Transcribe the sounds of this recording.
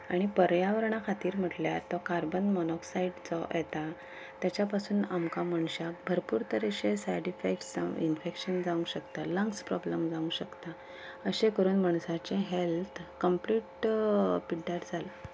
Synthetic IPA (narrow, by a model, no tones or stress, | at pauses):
aɽ̃ipəɾjaʋəɾɳ̃akʰat̪iːɾm̤əʈljat̪ɔkaɾbənmɔnɔksaiɖt͡sɔjɛt̪a | t̪jat͡ɕjapasuːnamkaməɳɕak̚bʱəɾpuːɾt̪əɾeɕesajɽifeksd͡za̰infekɕənd͡zaũɕəkt̪alə̃ŋkspɾɔbləmd͡zaũɕəkt̪a | əɕẽkəɾuːnməɳ̃sat͡ɕẽɦelt̪ʰkəmpliʈ | piɖːaʈd͡zʱal